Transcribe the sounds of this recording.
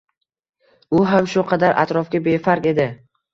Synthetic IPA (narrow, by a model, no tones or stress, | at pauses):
ʊɦamʃʊqʰɑd̪aɾʔa̰t̪ɾɒfɡʲabe̞faɾkʲe̞d̪ɪ